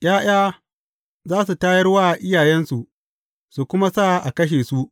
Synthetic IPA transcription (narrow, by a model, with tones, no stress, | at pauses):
j̰ʲaː˦j̰aː˦ | zaː˦su˨taː˦jɐ˦rwaː˦ʔɪ˦jaː˨jɛ˦nsu˨ʔ | su˨kʷʊ˦ma˦sa˦˨ʔa̰˨kɐ˦ʃ̬eː˨su˦ʔ